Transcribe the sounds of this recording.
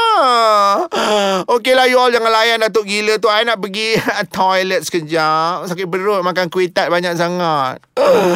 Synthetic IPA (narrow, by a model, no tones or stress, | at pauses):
okelahjɔld͡ʒaŋanlajandat̪̬ʊʔ̚ɡilət̪̬uajnaʔ̚pəɡit̪ʰɔjlət̪̚sə̥kəd͡ʒamsakɪbəɾʊt̪̚mak̬ankuwet̪at̪̚baɲak̚saŋat̪̚